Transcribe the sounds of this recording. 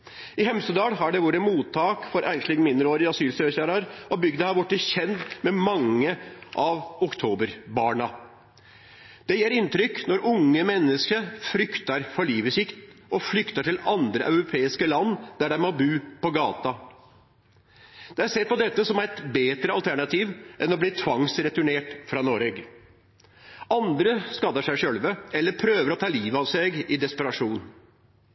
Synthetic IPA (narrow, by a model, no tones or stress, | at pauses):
ɪɦɛmsəd̪ɑːlɦɑɖɛʋuːɾəmuːt̪ʰːɑːkfɔɾʔæ̰ɪnʂlɪɡnmɪnd̪ɾəoːɾɪɑsyːlsøːçæːɾɑɾɔbʏɡd̪əhɑɾʋʊʈːəçɛnt̪mɛmɑŋːəʔɑʋʊkt̪ʰoːbəɾbɑːɳɑ | d̪̥ɛjeːɾɪnt̪ɾʏkːnɔɾʔʊŋːəmɛnːəskəfɾʏkt̪ɑɾfɔɭiːʋəsɪkt̪ɔflʏkt̪ɑʈɪlɑnd̪ɾəʔɑʉɾʊpʰeːɪskəlɑnːd̪æɖæɪmɔbʉːpɔɡɑːt̪ɑ | d̪̥ɛæsɛt̪̚pɔd̪ɛt̪ːəsɔmæɪt̪beːt̪ɾəɑlt̪ʰæɳɑt̪ʰiːʋʔɛnɔbliːt̪ʰʋɑŋsɾɛt̪ʉɳeːʈfɾɑnoːɾɛɡ | ɑnd̪ɾəskɑd̪əʂæɪʂølʋəɛlːəɾpʰɾøːʋəɾɔt̪ʰɑːliːʋɑʋseɡɪd̪ɛspəɾɑʂuːn